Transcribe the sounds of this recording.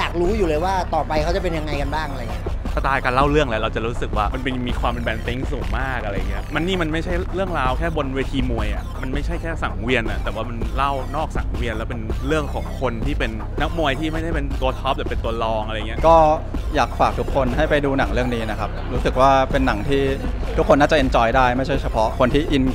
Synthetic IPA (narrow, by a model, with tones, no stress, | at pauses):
jaː˨˩k̚ɾuː˦˥juː˨˩lɤː˧jwaː˥˩t̪ɔː˨˩pa˧jkʰa˦˥wt͡ɕa˨˩pe˧nja˧ŋːa˧jka˧nbaː˥˩ŋʔaɾa˧˨ŋi˦˥ka˥pʰa˧t̪aː˧jkaː˧nla˥˩wɾɯ˥˩əŋlɛ˦˥ɾa˧wt͡ɕa˨˩ɾuː˦˥sɯ˨˩k̚waː˥˩ma˧npe˧miː˧kʰwaː˧mpe˧nbɛː˧nt̪i˦˥ŋsuː˨˩˦ŋmaː˥˩k̚ʔa˧ɾa˧ja˨˩ŋːi˦˥ɐma˧nːiː˥˩ma˧nma˥˩jt͡ɕʰa˥˩jɾɯ˥˩əŋɾaː˧wkʰɛː˥˩bo˧nweː˧t̪ʰiː˧mu˧əjʔa˨˩ma˧nma˥˩jt͡ɕʰa˥˩jkʰɛː˥˩sa˩˦ŋwi˧ənʔa˨˩t̪ɛː˨˩waː˥˩ma˧nla˥˩wnɔː˥˩k̚sa˨˩˦ŋwi˧ənlɛː˦˥wpe˧nɾɯ˥˩əŋkʰɔː˩˦ŋkʰo˧nt̪ʰiː˥˩pe˧nːa˦˥k̚mu˧əjt̪ʰiː˥˩ma˥˩jda˥˩pe˧nt̪u˧ət̪̚ʰːɔ˦˥p̚lɛ˨˩pe˧nt̪u˧ɐlɔː˧ŋʔɾja˨ŋː˩˦˥kɔː˥˩ | jaː˨˩k̚faː˨˩k̚t̪ʰu˦˥kʰːo˧nɦa˥˩jpa˧jduː˧na˨˩˦ŋɾɯ˥˩əŋniː˦˥na˦˥kʰa˦˥p̚ɾuː˦˥sɯ˨˩k̚waː˥˩pe˧nːa˩˦ŋt̪ʰiː˥˩ | t̪ʰu˦˥kʰːo˧nːaː˥˩t͡ɕa˨˩ʔi˧nt͡ɕɔː˧jdaː˥˩jma˥˩jt͡ɕʰa˥˩jt͡ɕʰa˧pʰɔ˦˥kʰo˧nt̪ʰiː˥˩ʔi˧n